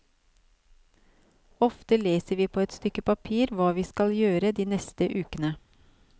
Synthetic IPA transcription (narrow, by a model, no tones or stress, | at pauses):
ɔft̪əleːsəɾʋiːpʰoːɛt̪st̪ʏkəpɑpʰiːɾʋɑːʋiːskɑljøːɾəd̪iːnɛst̪əʔʉːkənə